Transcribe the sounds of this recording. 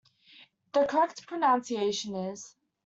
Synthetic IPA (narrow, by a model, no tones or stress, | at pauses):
ðəkʰə˞ɛk̚tpʰɹ̥ɨnãnsieɪʃɨ̃nɪz̥